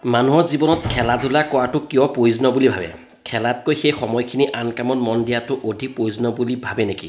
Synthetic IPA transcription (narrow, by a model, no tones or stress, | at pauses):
manuɦɔɹzibɔnɔtkʰɛladʱulakɔwatʊkijɔpɹojzɔnɔbulibʱabɛ̰ | kʰɛlatkojxejxɔmɔjkʰiniʔankamɔnmɔndijatʊʔodʱipɹojzɔnɔbulibʱabɛneki